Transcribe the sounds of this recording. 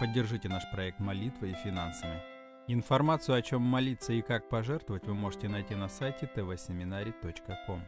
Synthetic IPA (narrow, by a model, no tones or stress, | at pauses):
pədʲːɪrʐɨtʲɪnaʂpɾɐɛk̚t̪mɐlʲit̪vɨifʲɪnansəvəj | ɪnfɐrmat̪sɨjʊɐt͡ɕo̞mːɐlʲit̪səɪkak̚pɐʐɛrt̪vəvətʲvɨmo̞ʐɨtʲɪnɐjtʲinɐsajtʲɪt̪ɛvɛsʲɪmʲɪnaɾʲɪt̪ot͡ɕkəko̞m